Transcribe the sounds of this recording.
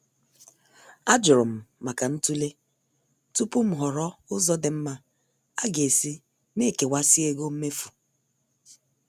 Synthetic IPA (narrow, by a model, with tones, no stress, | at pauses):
a˦d͡ʒʊ˨ɾʊ˨m̩˨ma˨ka˨n̩˦tu˦le˦ | tu˦pʊ˦m̩˦ɦʊ˨ɾɔ˦ʊ˦zɔ˦dɪ˨m̩˦ma˦ | a˦ɡe˨si˦ | ne˦˨ke˨wa˦si˦e˨ɡo˦m̩˦me˦fu˨